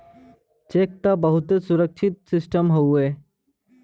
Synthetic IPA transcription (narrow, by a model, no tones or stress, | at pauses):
t͡ʃek̚t̪abəɦut̪esuɾək̚ʃʰit̪̚sisʈəmɦowe